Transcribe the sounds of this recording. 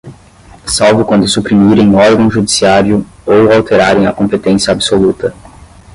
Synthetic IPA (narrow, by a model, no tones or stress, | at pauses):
sawvʊkwɐ̃nd̪ʊsupɾimiɾẽj̃ɔɾɡɐ̃w̃ʒud̪isiaɾjʊowawt̪eɾaɾẽj̃ɐ̰kõpet̪ẽsjɐabsolut̪ɐ